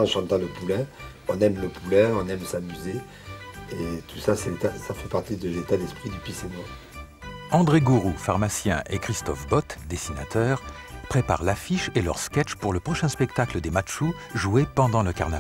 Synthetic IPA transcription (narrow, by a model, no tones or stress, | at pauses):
ɑ̃ʃɑ̃t̪ɑ̃ləpulɛ̃ɔ̃nɛmləpulɛ̃ɔ̃nɛmsamyze | et̪usasɛet̪asafɛpaʁt̪id̪əlet̪ad̪ɛspχid̪əpɥisemwa | ɑ̃d̪ʁeɡuʁufaʁmasjɛ̃ʔekχist̪ɔfbɔt̪d̪esina̰t̪œːʁ | pχepa̰ʁlafiʃelə̰ʁskʲɛt͡ʃpuʁləpχɔʃɛ̃spɛkt̪akləd̪emat̪ʃu | ʒuepɑ̃d̪ɑ̃ləkaʁnav